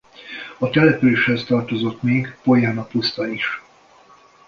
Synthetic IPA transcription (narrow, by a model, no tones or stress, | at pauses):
ɒt̪ɛlɛpyleːʃhɛst̪ɒrt̪o̞zo̞t̪meːɡpo̞jaːnɒpust̪ɒiʃ